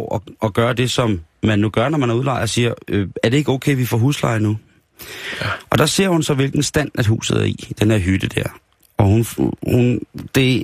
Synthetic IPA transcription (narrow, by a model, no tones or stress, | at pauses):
ɒ̽ʔɒ̽ɡ̥ɶːɐd̥e̝sɒ̽mmænːuɡ̥ɶɐnɒmænæɐuðˠlɑ̈ɪɒ̽siːɐøæɐd̥e̝e̝ɡ̥ɔʊkʰeɪʋifɒ̰ːɦuːslɑ̈ɪnu | ʔɒ̽d̥ɑ̈se̝ɐ̰hunsɒ̽ʋe̝lɡ̥n̩sd̥æn̰æd̥ɦṵːsð̩ˠæɐḭd̥enæɐɦyd̥əd̥æɐ | ɒ̽hunhund̥e̝